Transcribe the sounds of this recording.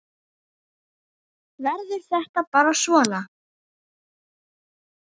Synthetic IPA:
vɛɾðɪɾ̥θɛht̪apaːɾasvɔːna

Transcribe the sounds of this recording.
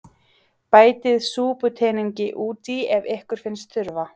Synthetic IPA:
paːjt̪ɪðsuːpʏt̪ʰɛːniɲcɪʔuːt̪iɛvehkʏɾ̥fɪnst̪ʰʏɾva

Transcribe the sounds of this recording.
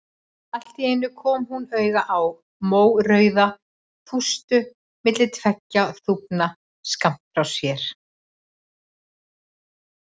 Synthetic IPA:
al̥t̪iejnːʏkʰɔːmhunœɥɣaʔaw | moːwɾœɥða | tʰust̪ʏ | mɪt̪lɪt̪ʰvɛcːaθupna | skam̥t̪fɾawsjɛɾ̥

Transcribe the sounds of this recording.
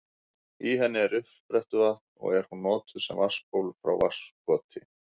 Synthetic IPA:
iɦɛnːɪɛɾʏhpɾɛht̪ʏvaht̪nɔ̰ɣɛɾ̥hunːɔːt̪ʏðsɛmvḁspowlfɾa̰wvar̥skɔːt̪ʰɪ

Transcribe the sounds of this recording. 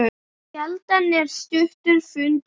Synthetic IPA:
ɛlt̪anːɛɾ̥st̪ʏht̪ʏɾfʏnt

